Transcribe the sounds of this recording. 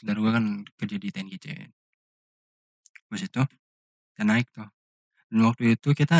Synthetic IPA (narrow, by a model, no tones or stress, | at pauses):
daɾuɡakanpərd͡ʒadit̪ankit͡ʃ̪ɛ̰ | basit̪u | t̪anaɪk̚t̪ʊh | danwak̚t̪uit̪ukit̪a